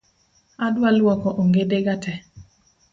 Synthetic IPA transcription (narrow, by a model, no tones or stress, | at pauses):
adwalwɔkɔʔoŋɡedeɡatʰɛ